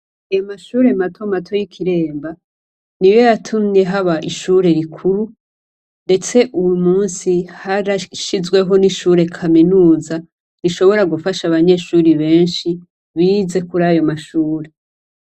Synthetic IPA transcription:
ajomaʃuːɾe̞matʰo̞matʰo̞jikʰiɾe̞ːmba | nijo̞jatʰumɲe̞ɦaβaʔiʃuɾe̞ɾikʰuɾu | nde̞t͡se̞ʔujumuːnsihaɾaʃizɡwe̞ɦo̞niʃuːɾe̞kʰaminuːza | ɾiʃo̞βo̞ɾaɡufaʃaβaɲe̞ʃuːɾiβe̞ːnʃi | βiːze̞kuɾaːjo̞maʃuːɾe̞

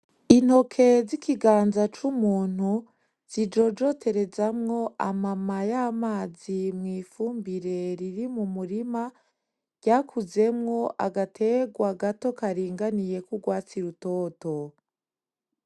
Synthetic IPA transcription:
in̥ho̞kʰe̞zikʰiɡaːnzat͡ʃumuːn̥hu | z̥id͡ʒo̞d͡ʒo̞tʰe̞ɾe̞zamŋo̞ʔamamajamaːzimŋiːfuːmbiɾe̞ɾiɾimumuɾima | ɟ̥aːkʰuze̞mŋo̞ʔaɡatʰe̞ːɡwaɡato̞kaɾiːŋɡanije̞kuɡwaːt͡siɾutoto

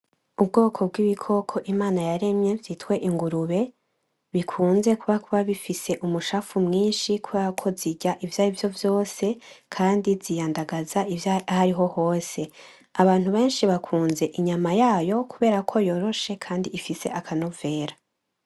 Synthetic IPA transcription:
ubɡo̞ːkʰo̞b̚ɡiβikʰo̞kʰo̞ʔimaːnajaɾe̞mɲe̞vjitkwe̞ʔiŋɡuɾuβe̞ | βikʰuːnze̞kuβakuβaβifise̞ʔumuʃaːfumŋiːnʃikuβeːɾakʰo̞ziɟaʔivjaːjivjo̞vjo̞ːse̞kʰaːndizijaːndaɡazaivjaahaɾiɦo̞ho̞ːse̞ | aβaːn̥huβe̞ːnʃiβakʰuːnze̞ʔiɲamajaːjo̞kuβe̞ːɾakʰo̞jo̞ɾo̞ʃe̞kʰaːndiifise̞̰ʔakʰanove̞ːɾa

